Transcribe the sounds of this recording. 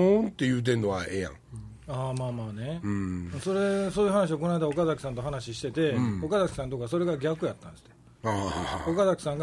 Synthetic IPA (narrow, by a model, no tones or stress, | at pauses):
õnt̪ːe̞jɯ̟ːt̪̬ẽ̞nːo̞βaejã̰ŋ | aːmaːmaːne̞ɯ̃ɯ̃so̞ɾe̞soːjiɯ̟ɦanaɕ̬io̞konaid̪ao̞kazakʲi̥sãnt̪o̞ɦanaɕiɕi̥t̪e̞t̪e̞o̞kazakʲi̥sãnt̪o̞kaaso̞ɾe̞ɡaɡʲakɯ̟jat̪ːã̰nd̪esɨ̥e | aokazaki̥sãŋɡ